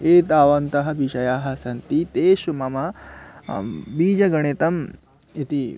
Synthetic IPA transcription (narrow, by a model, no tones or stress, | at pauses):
eːt̪aːʋɐnt̪ɐɦɐ̆ʋiʃɐjaːɦɐ̆sɐnt̪it̪eːʃumɐmɐ | biːd͡ʒɐɡɐɳet̪ɐm | it̪i